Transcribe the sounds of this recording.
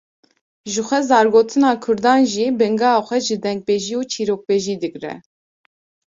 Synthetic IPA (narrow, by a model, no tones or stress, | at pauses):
ʒɨxʷɛzɑːɾɡoːt̪ʰɨnɑːkʰʊɾd̪ɑːnʒiːbɛŋɡɑxʷɛʒɨd̪ɛŋɡ̚beːʒiːuːt͡ʃʰiːɾoːk̚beːʒiːd̪ɨkɾɛ̰